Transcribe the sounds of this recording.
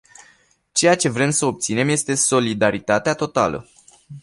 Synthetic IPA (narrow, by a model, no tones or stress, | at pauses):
t͡ʃe̞jat͡ʃe̞vɾe̞msəo̞p̚t̪sine̞mje̞st̪e̞so̞lid̪aɾit̪at̪eat̪o̞t̪a̰lə̰